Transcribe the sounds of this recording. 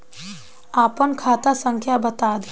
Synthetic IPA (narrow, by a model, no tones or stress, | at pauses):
aːpənkʰaːt̪asə̃ŋkʰjabət̪aːd̪